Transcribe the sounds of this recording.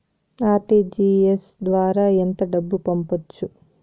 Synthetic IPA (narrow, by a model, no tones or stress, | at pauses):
aːɾʈiːd͡ʒiːesd̪ʋaːɾaːent̪ɐɖɐbːupɐmpot͡ʃːu